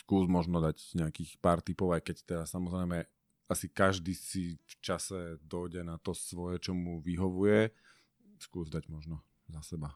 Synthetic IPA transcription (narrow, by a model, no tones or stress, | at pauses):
skuːzmɔʒnɔd̪aɟɲɛakiːxpaːɾt̪ipɔʊajkɛct̪ɛd̪asamɔzɾɛjmɛ | asikaʒd̪iːsift͡ʃasɛd̪ɔjɟɛnat̪ɔsʋɔjɛt͡ʃɔmuʋiɦɔʋujɛ | skuːzd̪aɟmɔʒnɔ | asɛba